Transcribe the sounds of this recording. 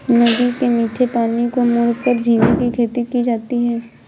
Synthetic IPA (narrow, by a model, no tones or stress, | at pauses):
nɐd̪ikemiːʈʰepaːnikomʊɾkəɾd͡ʒʱĩːɡikikʰeːt̪ikid͡ʒaːt̪iɦɛː